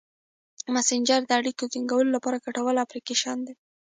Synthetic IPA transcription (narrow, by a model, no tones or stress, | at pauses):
masɪnd͡ʒəɾd̪əaɽikokiŋɡawəlolapɑɾakaʈawəlafɾikeʃɑnd̪e